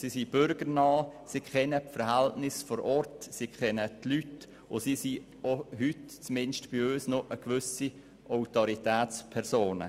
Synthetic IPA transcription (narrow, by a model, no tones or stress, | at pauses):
siːsib̥ʏɾɡəɾnɑːsiːkʰɛnəfəɾhæltnɪsfɔɾʔɔɾtsiːkʰχɛnətlyt | ʊsiːsi | oɦytt͡smɪnʃtb̥iøːsnoʔəkʋʏsi | ʔɔʊtoɾitɛːt͡spʰɛɾsoːnə̰